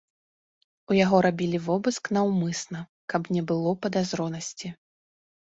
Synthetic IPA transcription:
ujaɣɔɾabʲilʲivɔbɨsknɐwmɨsnɐkɐbnʲɛbɨlˠɔpɐd̪azɾɔnɐsʲt͡sʲi

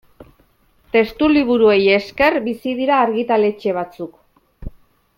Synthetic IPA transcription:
t̪e̞st̪uliβ̞uɾue̞je̞ske̞rbisið̞iɾaːɾɣit̪ale̞t͡ʃe̞β̞at͡suk

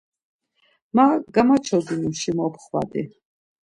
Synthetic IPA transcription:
maɡamat͡ʃʰɔd̪inuʃimɔpʰχwa̰d̪i

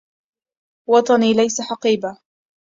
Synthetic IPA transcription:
wɑt̪ˤɑniːlajsaħɑqiːba

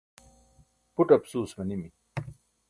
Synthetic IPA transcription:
puʈɐpsuːsmɐnimi

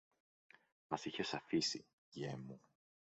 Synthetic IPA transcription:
mɐsiçesɐfisḭ | ʝemu

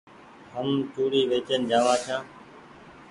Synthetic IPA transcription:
ɦəmt͡ʃuːɽiːʋeːt͡ʃənd͡ʒaːʋãːt͡ʃʰãː

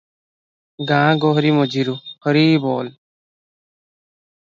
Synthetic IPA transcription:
ɡãːɡɔɦɾimɔd͡ʒiɾukʰɔɾiːbɔːl

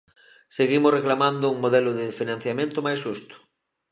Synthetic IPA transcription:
seɣimʊsreklamãnd̪ʊuŋmoðɛlʊðɪfinãn̟θjamẽnt̪ʊmajsʃust̪ʊ̥

